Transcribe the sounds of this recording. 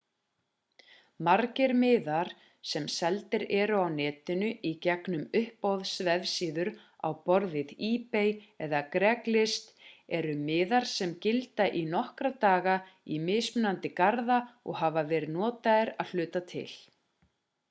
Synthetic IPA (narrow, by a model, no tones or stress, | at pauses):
maɾcɪɾmɪːðaɾ̥ | sɛmsɛlt̪ɪɾɛɾʏawnɛːt̪ʏnʏʔicɛknʏmʏhpowðsvɛðsiːðʏɾ | a̰wpɔɾðɪðiːpejɛðakɾɛklɪst̪ɛɾʏmɪːðaɾ̥sɛmcɪlt̪aʔinɔhkɾat̪aːɣaimɪːspnant̪ɪkaɾðaɔ̰ɣɦavavɛːɾɪðnɔːt̪aɪɾaðl̥ʏːt̪at̪ʰɪ̰l̥